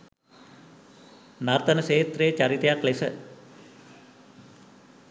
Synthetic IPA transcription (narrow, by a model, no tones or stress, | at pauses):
naɾt̪ɐnəseːt̪ɾet͡ɕɐɾit̪ɐjaklesə